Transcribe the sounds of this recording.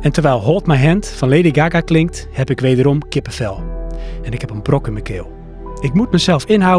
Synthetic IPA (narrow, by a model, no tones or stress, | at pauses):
ɛntərʋɛlˠɦoːtmɛjɦɛntfɔnleːdiɡaɡaklɪŋk̚thɛpɪkʋeːdəɾɔmkɪpəfɛlˠɛnɪkhɛpənbrokəməkʰɪːlˠ | ɪkmutməjsɛlˠfɪnɦaw